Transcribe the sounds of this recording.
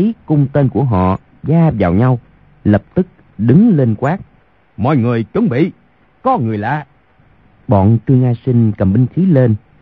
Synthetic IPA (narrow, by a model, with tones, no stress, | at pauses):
i˨˦kʊ˧wŋ͡mt̪e˧nku˧˩əɦɔ̰˧˨ | zaː˧vaː˨˩wɲa˧w | lə˨˩p̚t̪ɨ˦˥k̚ | ɗɨ˨˦ŋle˧nkwaː˦˥k̚ | mɔ̰˧˨jŋɨ˨˩əjt͡ɕwə˨˦ŋ͡mɓḭ˧˨ | kɔ˨˦ŋɨ˨˩əjla̰ː˧˨ | ɓɔ̰˧˨nt̪ɨ˧əŋʔaː˧sï˧ŋ̟kə˨˩mɓï˧ŋ̟xi˨˦le˧n